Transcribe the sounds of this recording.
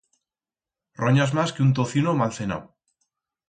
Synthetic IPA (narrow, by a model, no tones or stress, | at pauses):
roɲazmaskeunt̪̬oθinomalθena̰w